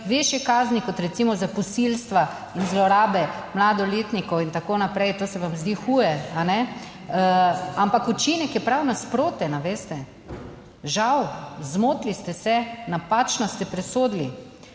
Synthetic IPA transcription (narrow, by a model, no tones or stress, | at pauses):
ʋeʃjɛkaːznikɔt̪ɾɛt̪simɔzapɔsilst̪ʋa | inzlɔɾaːbɛ | mlad̪ɔleːt̪nikɔwint̪akoːnapɾɛjt̪oːsɛʋamzd̪iːxuːjɛanɛ | ampakut͡ʃinɛkjɛpɾawnaspɾoːt̪ɛnaʋeːst̪ɛ | ʒawzmoːt̪list̪ɛsɛnapat͡ʃnɔst̪ɛpɾɛsoːd̪li